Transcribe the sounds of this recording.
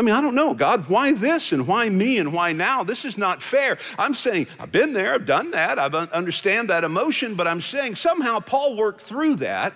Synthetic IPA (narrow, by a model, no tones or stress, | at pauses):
aɪmĩnaɪɾõʊ̃nːoʊɡɑd̚waɪðɪsɨ̃nwaɪmiɨ̃nwaɪnaʊðɪsɨznətfɛɹãɪ̃mseɪɪ̃ŋaɪvbɨ̃nðə˞aɪvdʌ̃nðæɾaɪvʌ̃ʌ̃ndə˞stæ̃nðɨɾɨmoʊʃɨ̃nbʌɾãɪ̃mseɪɪ̃ŋsʌ̃mɦaʊpʰɔlˠwɜ˞k̚θɹʉðæ̰t̚